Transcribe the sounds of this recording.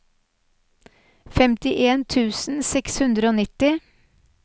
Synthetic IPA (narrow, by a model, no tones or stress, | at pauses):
fɛmt̪ɪʔeːnt̪ʰʉːsn̩sɛkshʉnd̪ɾəoːnɪt̪ɪ